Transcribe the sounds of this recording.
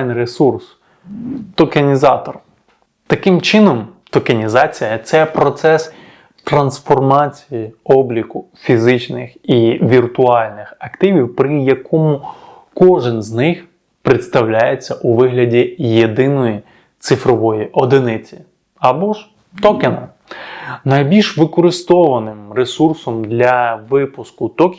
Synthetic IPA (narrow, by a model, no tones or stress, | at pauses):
nresurs | t̪ɔkɐnʲizɑt̪ɔr | t̪ɐkɪmt͡ʃɪnɔmt̪ɔkɐnʲizɑt͡sʲijɐt̪sɛpɾɔt̪sɛs | t̪ɾɐnsfɔrmɑt͡sʲijiɔblʲikʊ | fʲizɪt͡ʃnɪxiʋʲirt̪ʊɑlʲnɪxɐkt̪ɪʋʲiwpɾɪjɐkʰɔmʊ | kɔʒɪnznɪx | pɾɪt̪st̪ɐwlʲajet͡sʲːɐʔuʋɪɦlʲɐdʲijed̪ɪnɔji | t̪sɪfɾɔʋɔjiʔɔd̪ɪnɪt͡sʲi̥ | ɐbɔʒ | t̪ɔkɪnɐ | nɐjbʲilʲʃʋɪkɔɾɪst̪ɔʋɐnɪmresursɔmd̪lʲɐʋɪpʊskʊt̪ɔkʲ